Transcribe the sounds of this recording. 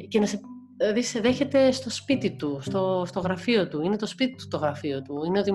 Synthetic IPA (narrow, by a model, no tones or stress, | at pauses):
ce̞nɐse | ðisðe̞çe̞t̪e̞st̪o̞spit̪it̪ust̪o̞st̪o̞ɣɾɐfio̞t̪uine̞t̪o̞spit̪it̪u̥st̪o̞ɣɾɐfio̞t̪uine̞o̞t̪i